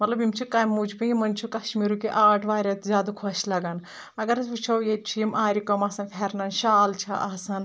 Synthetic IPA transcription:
mɐt̪lɐbimt͡ʃʰikaːjmud͡ʒpiimɐnt͡ʃʰukɐʃmiːɾukeʔaːʈʰʋaːɾʲɐt̪ʰzʲjaːd̪ukʰoʃlɐɡan | ɐɡɐɾɐsʋit͡ʃʰɐwjet̪̚t͡ʃʰuimʔaːɾikɐmɐsɐnfʰeɾnɐnʃaːlt͡ʃʰɐ̰ʔɐːsɐn

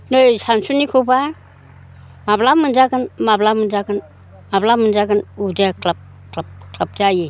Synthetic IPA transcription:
nɯjsansunikʰuba | mablamɯnd͡ʒaɡɯnmablamɯnd͡ʒaɡɯn | mablamɯnd͡ʒaɡɯnudekʰlap̚ | klap̚kʰlap̚d͡ʒaji

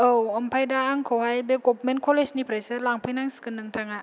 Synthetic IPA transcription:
ʔəwampʰajdaŋkʰowhajbekop̚menkʰolesnipʰɾajsɯlaŋpʰajnaŋskɯnːɯŋt̪ʰaŋaʔ

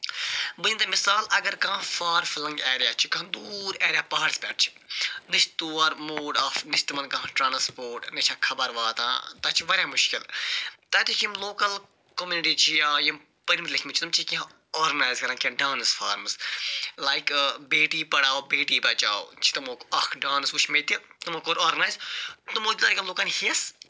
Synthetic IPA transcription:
bɨɲind̪ɐmɪsaːlɐɡɐɾkãːfaːɾfɪlɐ̃ŋɡeːɾijaːt͡ʃʰi̥kɐ̃nd̪uɾɛːɾjaːpaːɦaɽspʲɛːʈ̚ʰt͡ʃʰi̥ | nɪʃt̪uːɐɾmoːɖaːfnɪʃt̪mɐ̃nkɐ̃ɦãʈɾãːnspoːɾʈnɐt͡ʃʰãːkʰɐbɐɾʋaːt̪ã̰ːt̪ɐt͡ʃʰiʋɐɾjaːmʊʃkɪlt̪ɐt̪ikʰimloːkɐl | komjuːniʈiːt͡ʃʰijaːjɐm | pɐɾimit̪lɐkʰmit͡ʃʰit̪ɐmt͡ʃʰikʲiã | oːɾɡɐnaːjzkɐɾãnkʲãɖaːnɨsfaːɾmslajkbeːʈiːpɐɽaːobeːʈiːbɐt͡ʃa̰ːot͡ʃʰi̥t̪ɐmoːkɐkʰɖaːnsut͡ʃʰmet̪it̪umokoːɾaːɾɡɐnaːjzt̪umoːt̪ʲlaːjkɐmloːkaːnhiɐs

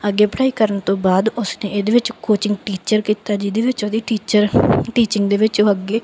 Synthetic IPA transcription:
əɡːeːpʰɽaːiːkəɾənt̪õːbaːd̪ʊsneːʔed̪eːʋɪt͡ʃkoːt͡ʃɪŋɡʈiːt͡ʃəɾkiːt̪aːd͡ʒid̪eːʋɪt͡ʃoːd̪iːʈiːt͡ʃəɾʈiːt͡ʃɪŋɡd̪eːʋɪt͡ʃoːəɡːeː

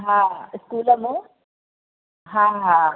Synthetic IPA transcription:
ɦãɪskuːləmũ | ɦãːɦa

